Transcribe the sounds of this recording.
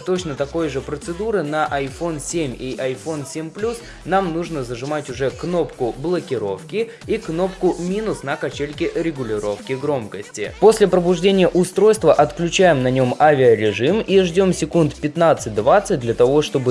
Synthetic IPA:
t̪o̞t͡ɕnət̪ɐko̞jʐɨpɾət̪sɨd̪uɾɨnəʔɐjfo̞nsʲemʲiʔɐjfo̞nsʲemʲplʲus | namnuʐnəzəʐɨmatʲʊʐɛkno̞pkʊblˠəkʲɪɾo̞fkʲɪ | ikno̞pkʊmʲinʊsnəkɐt͡ɕelʲkʲɪʔɾʲɪɡʊlʲɪɾo̞fkʲɪɡɾo̞mkəsʲtʲɪ̰po̞sʲlʲɪpɾəbʊʐdʲenʲɪjəʔʊst̪ɾo̞jst̪vəʔɐt̪klʲʉt͡ɕæjɪmnɐnʲo̞mavʲɪəɾʲɪʐɨmiʐdʲo̞msʲɪkunt̪pʲɪt̪nat̪sɨt̚ʲd̪vat̪sɨt̚ʲdlʲɐt̪ɐvo̞ʂt̪o̞bɨ

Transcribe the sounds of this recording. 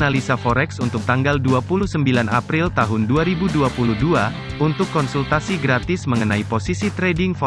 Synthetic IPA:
nalisafoɾɛksunt̪ʊk̚t̪aŋɡalduapuluhsəmbilanʔa̰pɾɪlt̪aɦʊnduaɾibuduapuluhdua | unt̪ʊkːɔnsult̪asiɡɾat̪ɪsməŋənaiposisit̪ɾɛdɪŋfɔ

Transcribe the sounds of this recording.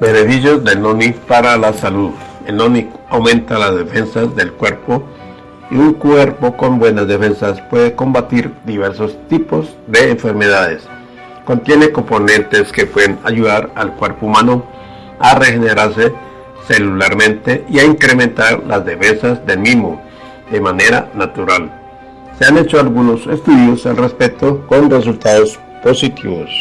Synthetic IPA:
be̞ne̞fis̬jo̞zd̪enonipaɾalasaluðelnoniawmẽ̞nt̪alazðe̞fe̞nsazd̪e̞lkwe̞ɾpo | ḭuŋkwe̞ɾpo̞ko̞mbwe̞nazðefe̞nsaspwe̞ðeko̞mbat̪iɾd̪iβ̞e̞ɾsost̪ipo̞z | d̪e̞ːɱfe̞ɾme̞ð̞aðe̞s | ko̞nt̪je̞neko̞mpo̞nẽ̞nt̪e̞skepwe̞ðenaʝuðaɾalkwe̞ɾpoumãno | are̞xene̞ɾaɾse | se̞lulaɾmẽ̞nt̪e̞ʔiaiŋkɾemẽ̞nt̪aɾlazðe̞fe̞nsazd̪e̞lmizmo̞̰ | ðe̞mane̞ɾa̰nat̪uɾal | se̞ane̞t͡ʃoalɣuno̞se̞st̪uðjo̞salre̞spek̚t̪o̞ko̞nre̞s̬ult̪aðo̞s | po̞sit̪ʰiβo̰s

